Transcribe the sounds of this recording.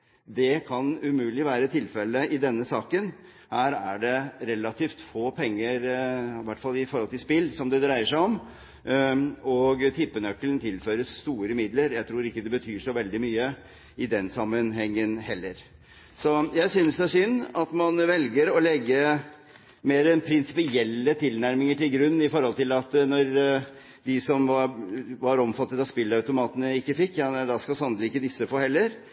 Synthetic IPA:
d̪ɛkʰɑnʉmʉːlɪʋæːɾət̪ʰɪlfɛlːəɪd̪ɛnːəsɑːkən | hæːɾæɖɛɾɛlːɑt̪ʰiːft̪foːpʰɛŋːəɾʋæʈːfɑlːɪfɔɾhɔlt̪ɪspɪlːsɔmd̪ɛd̪ɾæɪəʂæɪɔm | ɔɡt̪ʰɪpːənœkːəlnt̪ʰɪlfœːɾəsːt̪uːɾəmɪd̪ləɾjæɪt̪ʰɾuːɾɪkːəd̪ɛbət̪ʰyːʂɔʋɛld̪ɪmyːə | ɪd̪ɛnsɑmːənɦɛŋːənhɛlːəɾ | sɔjæɪsʏnsd̪ɛæʂʏnːɑt̪mɑnʋɛlɡəɾɔlɛɡːə | meːɾɛnpʰɾɪnsɪ̥pɪɛlːət̪ʰɪlnæɾmɪŋəʈɪlɡɾʉnːɪfɔɾhɔlt̪ɪlɑt̪nɔɾ | d̪ɪsɔmʋɑɾʋɑɾɔmfɑt̪ːət̪ɑspɪlːɑʉt̪ʊmɑːt̪ənəɪkːəfɪkːjɑd̪ɑskɑsɑnd̪əɪkːəd̪ɪsːəfoːhɛlːəɾ

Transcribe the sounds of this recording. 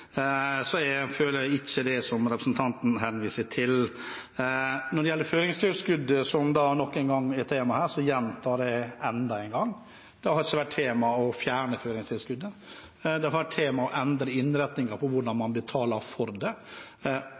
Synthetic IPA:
sɔɛføːləæɪçːəd̪ɛsɔmɾɛpɾə̥sənt̪ʰɑnt̪n̩ɦɛnʋiːsət̪ʰɪl | nɔɖɛjɛlːəɾføːɾɪŋst̪ʰɪlskʉd̪əsɔmd̪ɑːnɔkːɛɪnɡɑŋːɛt̪ʰeːmɑhæːɾsɔjɛnt̪ʰɑːɖɛɛnd̪ɑɛɪnŋɡɑŋː | d̪̥ɛhhɑɾɪçːəʋæʈ̚tʰeːmɑɔfjæːɳəføːɾɪŋst̪ʰɪlskʉd̪ːə | d̪ɛhɑʋæʈʰt̪ʰeːmɑɔʔɛnd̪ɾəɪnːɾɛt̪nɪŋɑɾpʰɔʋʊɖɑnmɑnbət̪ʰɑːləɾfɔɾd̪ɛ

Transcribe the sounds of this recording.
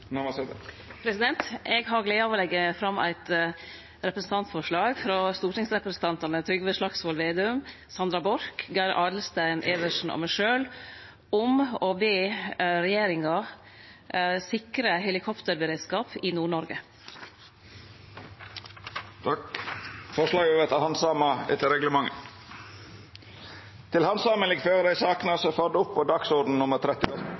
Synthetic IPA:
nms | pʰɾɛsɪd̪ɛnt̪ɛɡɦɑɾɡlæɪoːʋolɛɡːəfɾɑmʔæ̰ɪt̪ | ɾɛpɾəsn̩t̪ɑnt̪sfɔʂɭɑːɡfɾɑst̪uːɾʈɪŋsɾɛpɾəsn̩t̪ʰɑnt̪ɑnət̪ʰɾʏɡʋəʂlɑksʋɔlʋeːd̪ʉm | sɑnd̪ɾɑbɔɾkɡæɾʔɑːɖ̪l̩st̪æɪnʔɛːʋəʂn̩ɔ̰mæɪʂøːl | ʊmɔːbeːɾɛjeːɾɪŋɑ | sɪkɾəɦɛlɪkʰɔpt̪əɾbəɾeːd̪skɑːpɪnuːɳɔɾɡə | fɔʂlɑːɡøːʋət̪ʰɑhɑnsɑːmɑɛ̰t̪əɾɛɡləmɑŋə̰ | t̪ʰɪlhɑnsɑːmənlɪɡføːɾəd̪æɪsɑːknɑsɔfœd̪əʊpːod̪ɑksuɾdɖ̪n̩nʊməɾt̪ʰɾɛt̪ːɪ

